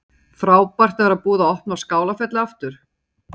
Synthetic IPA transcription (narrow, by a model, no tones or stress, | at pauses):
θɾaːwpar̥t̪avaɾaðpuːðaɔhpnawskaːwlafɛt̪lɪaft̪ʏɾ̥